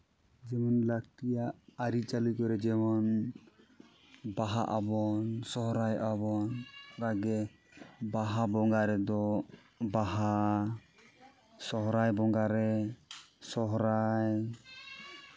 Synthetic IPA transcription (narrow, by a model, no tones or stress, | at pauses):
d͡ʒɛmɔnlak̚ʈijaʔːɾit͡ʃalujkɔɾɛd͡ʒɛmɔn | baɦa̰ʔabɔnsɔɦɾajʔabɔnɾaɡɛ | baɦabɔŋɡaɾɛd̪ɔ | baɦa | sɔɦɾajbɔŋɡaɾɛ | sɔɦɾaj